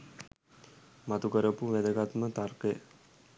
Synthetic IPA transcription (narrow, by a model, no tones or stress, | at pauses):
mat̪ukəɾəpuʋed̪əɡat̪mət̪arkəj